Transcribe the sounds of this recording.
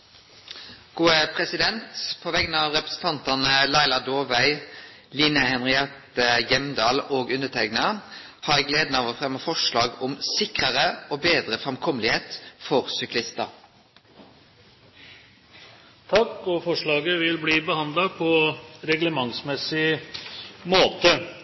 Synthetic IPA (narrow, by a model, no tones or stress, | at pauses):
ɡ̥uːəpʰʁɛsɪd̪ɛnt̪pʰɔʋɛɡənɑːʋʁɛpʁəsn̩t̪ʰɑnt̪ɑnəlæɪlɑd̪oːʋæɪ | liːnəhɛnʁɪɑt̪əjɛmd̪ɑːloːɡʉndət̪ʰɛknɑ | hɑːɾɛːɡleːd̪nɑʋəfʁɛmːəfɔʂlɑːɡʊmsɪkʁəʁəoːbeːd̪ʁəfʁɛmkʰɔməlɪheːt̪fɔʁsʏklɪst̪ə̰ɾ | t̪ʰɑkːɔfɔʂɭɑːɡəʋɪlbliːbəhɑnd̪lɑpʰɔɾɛɡləmɑŋsmɛsɪ | moːt̪ə